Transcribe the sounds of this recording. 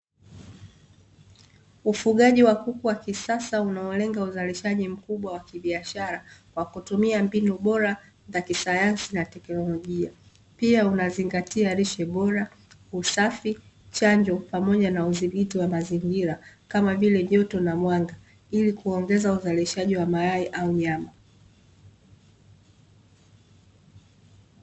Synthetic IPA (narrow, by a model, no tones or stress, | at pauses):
ufuɠaʄiwakukuwakisasaunaɔlɛŋɡauzaliʃaʄim̩kuɓwawakiɓiaʃaɾakwakutumiambinuɓɔɾa | zakisajansinatɛknɔlɔʄia | piaunaziŋɡatiaɾiʃɛɓɔɾa | usafi | t͡ʃaɲd͡ʒɔpamɔʄanauziɓitiwamaziŋɡiɾakamavilɛvjɔtɔnamwaŋɡa | ilikuɔŋɡɛzauzaliʃaʄiwamajaiʔauɲama